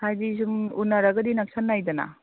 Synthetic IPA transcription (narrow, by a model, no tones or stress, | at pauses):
sajdis̬umunːaɾɐɡɐdinak̚sanːajdɐna̰